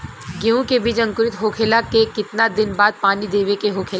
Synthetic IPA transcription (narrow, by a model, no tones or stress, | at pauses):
ɡeũkebʱit͡ʃɐ̃ŋkʊɾɪt̪ɦoːkʰeːlakekɪt̪nad̪ɪnbaːd̪̚paːnid̪eːʋekeɦoːkʰel